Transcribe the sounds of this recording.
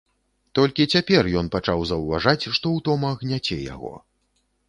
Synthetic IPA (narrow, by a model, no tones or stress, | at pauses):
t̪ɔlʲkʲit͡sʲapʲɛrjɔn̪pat͡ʂawzɐwvaʐat͡sʲʂt̪ɔwt̪ɔmɐɣnʲat͡sʲɛja̰ɣɔ̰